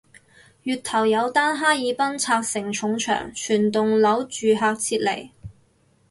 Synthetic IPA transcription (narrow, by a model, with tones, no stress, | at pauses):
jyː˨t̚t̪ʰɐ˨˩wjɐ˨˧wt̪aː˥nɦaː˥jiː˨˧pɐ˥nt͡sʰaː˧k̚sɪ˨˩ŋt͡ʃʰʊ˨˥ŋt͡ʃʰœ̰ː˨˩ŋt͡ʃʰyː˨˩nt̪ʊ˨ŋlɐ˨˥wt͡ʃyː˨ɦaː˧k̚t͡sʰiː˧t̚lḛ˨˩j